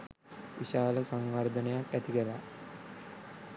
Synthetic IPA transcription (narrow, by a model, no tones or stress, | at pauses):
ʋiʃaːləsaŋʋard̪ənejakæt̪iɡɛla